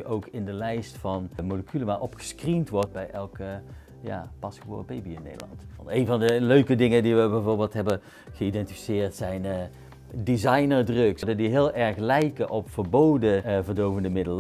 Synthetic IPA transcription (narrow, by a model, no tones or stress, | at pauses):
ʔowkʰɪndəlɛjstfɑnmowləkʰyləmaːɹʔɔpxə̥skrintʋɔɹt̚bɛjɛlˠkə | ja̰ːpɑskʋo̰ːrəbejbiɪnːḛjdə̰lɑ̰ntɑntejnvɑndəløɥkədɪŋədiʋəbɛjvoːɹbeːlˠtɦɛbə | ɣəidɛntifisɪːɹtsɛjn | dizɑjnəɹdrɵksdədiɦɪːlˠʔɛɹxlɛjkəʔɔpfəɹbowdəvərdowvəndəmɪdəl